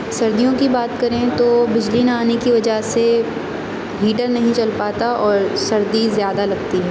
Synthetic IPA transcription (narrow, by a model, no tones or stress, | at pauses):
sɐɾd̪ijõkibaːt̪kɐɾẽt̪obɪd͡ʒliːnaːnekiʋɐd͡ʒase | ɦiːʈəɾnɐɦĩt͡ʃɐlpaːt̪aɔːɾsɐɾd̪izjaːd̪alɐɡt̪iɦɛː